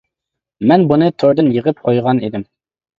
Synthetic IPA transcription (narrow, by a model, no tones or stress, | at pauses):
mɛnbunɨt̪ʰoɾd̪ɨnjəʁəp̚qʰojʁɑnḭd̪ɪm